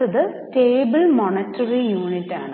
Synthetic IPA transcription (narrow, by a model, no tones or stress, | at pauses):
ɐðɨteːbɨlmonɐtːɐrijuːnitːa̰ːɳɨ